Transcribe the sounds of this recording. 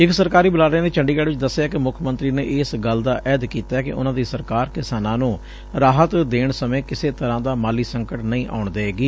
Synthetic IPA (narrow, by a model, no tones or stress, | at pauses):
ɪksəɾkaːɾiːbəlaːɾeːneːt͡ʃəɳɖiːɡɛːɽʋɪt͡ʃd̪əsːjaːkɪmʊkʰmə̃nt̪ɾiːnḛːʔɪːsɡəld̪aːʔɛːd̪kiːt̪aːkɪ̰ʔʊ̰nãːd̪iːsəɾkaːɾkɪsaːnãːnũː | ɾaːɦət̪d̪eːɳsəmẽːkɪseːt̪əɾãːd̪aːmaːliːsəŋkəʈnəĩːʔa̰ːʊɳd̪eːeːɡiː